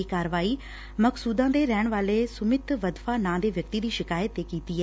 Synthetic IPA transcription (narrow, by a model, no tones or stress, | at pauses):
ikaːɾʋaːiː | məksuːd̪ãːd̪eɾɛːɽ̃ʋaːlesʊmɪt̪ʋəd̪faːnãːd̪eːʋjək̚t̪iːd̪iːʃɪkaːjət̪eːkiːt̪iːɦɛ